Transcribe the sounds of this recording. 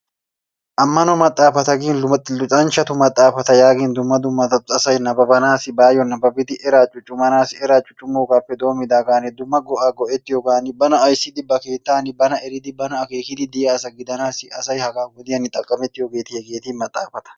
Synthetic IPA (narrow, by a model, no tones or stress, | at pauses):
ʔɐmːɐnɔmɐt̪ʼːaːfɐt̪ɐɡiːnllʊt̪ʼɐnt͡ʃɐt̪ʊmɐt̪ʼːaːfɐt̪ɐjaːɡiːnd̪ʊmːɐd̪ʊmːɐt̪ɐt̪ɐsɐjnɐbɐbɐnaːsɪbaːjɔnːɐbɐbɪt̪ɪʔɛɾaːt͡ʃʼʊt͡ʃʼːʊmɐnaːsɪɛɾaːt͡ʃʼʊt͡ʃʼʊmːoːɡaːpːɛd̪o̞ːmɪd̪aːɡaːnɪd̪ʊmːɐɡɔʔaːɡɔʔɛt̪ːɪjɔɡaːnɪbɐnɐɐjsːɪd̪ɪbɐke̞ːt̪ːaːnɪbɐnɐɛɾɪd̪ɪbɐnɐɐkeːkɪd̪ɪd̪ɪjaːsɐɡɪd̪ɐnaːsɪɐsɐjhɐɡaːɡʊd̪ɪjɐnːɪt̪ʼɐkʼːɐmɛt̪ːɪjoɡe̞ːt̪ːɪjɛɡeːt̪ɪːnmɐt̪ʼːaːfɐt̪ɐ̥